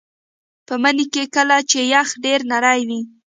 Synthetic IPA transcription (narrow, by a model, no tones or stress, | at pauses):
pəmənikekəlat͡ʃejaxɖeɾnaɾajwi